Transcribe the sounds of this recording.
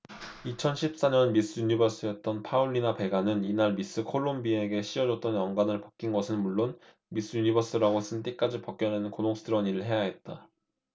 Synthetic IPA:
it͡ɕʰʌnɕʰip̚s͈aɲʌnmis͈ɯjuɲibʌs͈ɯjʌt̚t͈ʌnpʰauɭːinape̞ɡanɯninaɭmis͈ɯkʰoɭːombie̞ɡe̞ɕ͈ʰiʌd͡ʑʌt̚t͈ʌnjʌŋɡwanɯɭpḁk͈̚inɡʌsʰɯnmuɭːon | mis͈ɯjuɲibʌs͈ɯɾaɡos͈ɯnt͈ek͈ad͡ʑipʌk͈̚jʌnenɯnkonoŋsʰɯdʰɯɾwʌɲiɾɯɭɦe̞jaɦe̞t̚t͈a

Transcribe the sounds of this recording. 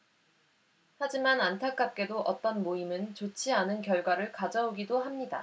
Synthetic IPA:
had͡ʑimanantʰak͈ap̚k͈e̞doʔʌt͈ʌnmoimɯnt͡ɕot͡ɕʰianɯnkjʌɭɡwaɾɯɭkad͡ʑaoɡidohamɲida̰

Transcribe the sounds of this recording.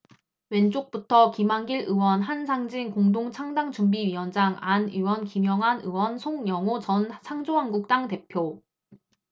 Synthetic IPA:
we̞nt͡ɕok̚p͈utʰʌkimaŋɡiɾɯwʌnɦansʰaŋd͡ʑinkoŋdoŋt͡ɕʰaŋdaŋd͡ʑumbiɥiwʌnd͡ʑaŋaniwʌnkimjʌŋɦanɯwʌnsʰoŋjʌŋot͡ɕʌnt͡ɕʰaŋd͡ʑoaŋɡuk̚t͈aŋte̞pʰjo

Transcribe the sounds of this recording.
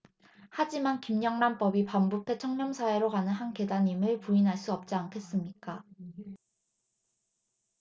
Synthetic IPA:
had͡ʑimankimɲʌŋnamp͈ʌbipambupʰe̞t͡ɕʰʌŋɲʌmsʰae̞ɾokanɯnɦanke̞daɲimɯɭpuinɦaɭs͈uʌp̚t͡ɕ͈iankʰe̞s͈ɯmɲik͈a

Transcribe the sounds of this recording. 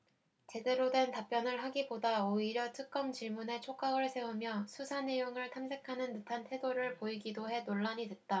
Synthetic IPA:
t͡ɕe̞de̞ɾodwe̞ntap͈jʌnɯɭɦaɡibodaoiɾjʌtʰɯk̚k͈ʌmt͡ɕiɭmune̞t͡ɕʰok͈aɡɯɭsʰe̞umjʌsʰusʰane̞joŋɯɭtʰamsʰe̞kʰanɯnːɯtʰantʰe̞doɾɯɭpoiɡidoɦe̞noɭːaɲidwe̞t̚t͈a

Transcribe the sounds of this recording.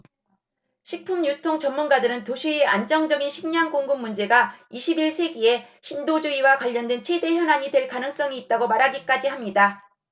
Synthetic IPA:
ɕʰik̚pʰumɲusʰɯ̥tʰoŋt͡ɕʌmːunɡadɯɾɯntoɕʰiiand͡ʑʌŋd͡ʑʌɡinɕʰiŋɲaŋkoŋɡumːund͡ʑe̞ɡaiɕʰibiɭsʰe̞ɡie̞ɕʰindod͡ʑuiwakwaʎːʌndwent͡ɕʰwede̞çjʌnaɲidwe̞ɭkanɯŋs͈ʌŋiːt̚t͈aɡomaɾɦaɡik͈ad͡ʑiɦamɲida

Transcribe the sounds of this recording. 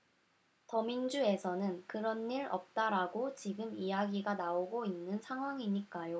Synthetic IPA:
tʌmind͡ʑue̞sʰʌnɯnkɯɾʌnːiɾʌ̰p̚t͈aɾaɡot͡ɕiɡɯmijaɡiɡanaoɡoinːɯnsʰaŋɦwaŋiɲik͈ajo

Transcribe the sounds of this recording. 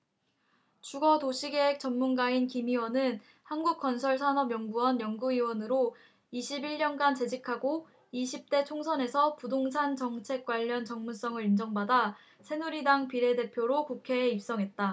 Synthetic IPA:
t͡ɕuɡʌtoɕʰiɡe̞ɦek̚t͡ɕ͈ʌnmunɡainkimiwʌnɯn | hanɡuk̚k͈ʌnsʰʌɭsʰanʌbjʌŋɡuwʌnjʌŋɡuiwʌnɯɾo | iɕʰibiɭɲʌnɡant͡ɕe̞d͡ʑikʰaɡo | iɕʰip̚t͈e̞t͡ɕʰoŋsʰʌne̞sʰʌpudoŋsʰant͡ɕʌŋt͡ɕʰe̞k̚k͈waʎːʌnt͡ɕʌŋmuns͈ʌŋɯɾind͡ʑʌŋbada | sʰe̞nuɾidaŋpiɾe̞de̞pʰjoɾokukʰe̞ːip̚s͈ʌŋɦe̞t̚t͈a

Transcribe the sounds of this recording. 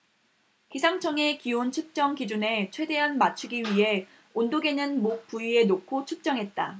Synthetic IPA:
kisʰaŋt͡ɕʰʌŋe̞kiont͡ɕʰup̚t͡ɕ͈ʌŋkid͡ʑune̞t͡ɕʰwe̞de̞ɦanmat͡ɕʰuɡiɥiɦe̞ | ondoɡe̞nɯnmok̚p͈uie̞nokʰot͡ɕʰup̚t͡ɕ͈ʌŋɦe̞t̚t͈a

